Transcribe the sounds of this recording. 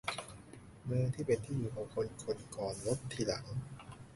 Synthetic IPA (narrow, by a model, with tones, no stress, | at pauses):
nɤː˧ŋt̪ʰiː˥˩pe˧nt̪ʰiː˥˩juː˨˩kʰɔ˩˦ŋkʰo˧nkʰo˧nkɔː˨˩nlo˦˥t̪ʰːiː˧˩la˩˦ŋ